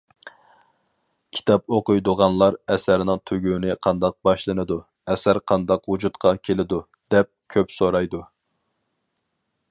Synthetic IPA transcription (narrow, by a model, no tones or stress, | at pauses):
kʲʰi̥t̪ʰɑp̚oqʊjd̪ʊʁɑnlˠɑɾɛsæɾnɨŋt̪ʰøɡʲywnɪqʰɑnd̪ɑq̚bɑʃlˠɨnɨd̪u | ɛsæɾqʰɑnd̪ɑqwud͡ʒut̪qʰɑkʲʰelɪd̪u | d̪̥ɛp̚kʲʰøpsoɾɑjd̪u